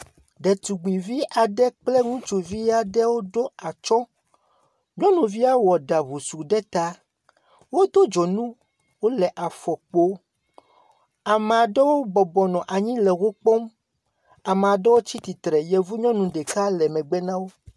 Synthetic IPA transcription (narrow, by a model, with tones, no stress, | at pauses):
ɖɛ˨t̪u˨ɡ͡bi˨vi˦ʔa˨ɖɛ˦k͡plɛ˦ŋũ˦t͡ʃu˨vi˦a˦ɖɛ˦wo˦ɖo˦a˨t͡ʃɔ˦ | ɲɔ̃˦nũ˨vi˦a˦wɔ˨ɖa˨βu˨su˨ɖɛ˦t̪a˦ | wo˦d̪o˦d͡ʒɔ˨nũ˦ | wo˦lɛ˨ʔa˨fɔ˨k͡po˦ | a˨mɛ˨a˨ɖɛ˦wo˦bɔ˨bɔ˨nɔ̃˨ʔa˨ɲĩ˦lɛ˨ɣo˦k͡pɔ˦m | a˨mɛ˨a˨ɖɛ˦wo˦t͡ɕi˦t̪i˨t̪ɾɛ˨jɛ˨vu˦ɲɔ̃˦nũ˨ɖɛ˨ka˦lɛ˨mɛ̃˨ɡ͡bɛ˦nã˦wo˦